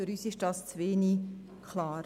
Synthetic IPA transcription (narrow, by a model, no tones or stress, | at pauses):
yɾyːsɪʃdɑːst͡sʋeːni | kʰlɑːɾ